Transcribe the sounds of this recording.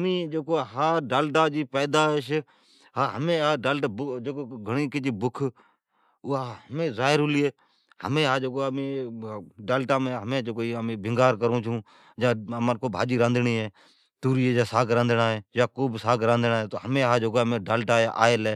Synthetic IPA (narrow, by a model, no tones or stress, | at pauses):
mĩːd͡ʒeːkoːɦaːɖaːlʈaːd͡ʒiːpɛːd̪aːʃ | ɦaːɦəmẽːaːɖaːlʈabd͡ʒeːkoːɡʱəɳiːkɪt͡ʃiːbʊkʰ | ʊːaɦəmẽːzaːɪɾʊːliːɦeː | hə̰mẽːɦaːd͡ʒoːkoːmeː | ɖaːlʈaːmeːɦəmẽːd͡ʒoːkoːiəmẽːbʱɪŋɡaːɾkəɾõːt͡ʃʰũː | d͡ʒãːəmakoːbʱa̰ːd͡ʒiːɾãːnd̪ɳiːɦeː | t̪uːɾiːɦeːd͡ʒaːsaːkɾãːnd̪naːɦeːjaːkoːbsaːɡɾãːnd̪naːɦeːt̪oːɦəmẽːɦaːd͡ʒoːkoːmẽːɖaːlʈaːeʔa̰ːeleː